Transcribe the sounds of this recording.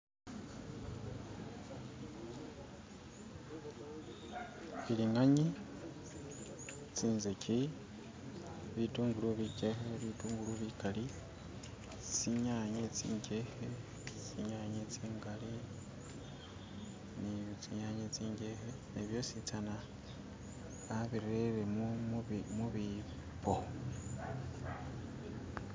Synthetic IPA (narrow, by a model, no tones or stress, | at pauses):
ilinaɲi | t͡siːnzecʰi | βituːŋɡuluβiceɦeβituːŋɡuluβikali | t͡siɲaːɲet͡sḭːɲɟehe | t͡siɲaːɲet͡siːŋɡali | nit͡siɲaːɲet͡siːɲɟehe | neβjo̞sit͡sana | aβiɾeɾem | muβi | po